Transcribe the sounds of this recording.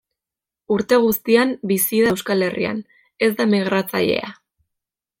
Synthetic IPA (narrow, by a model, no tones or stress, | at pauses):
uɾt̪e̞ɣ̞ust̪iambisiðawskale̞rḭa̰n | e̞zd̪amiɣ̞ɾat͡sa̰ʎe̞̰a̰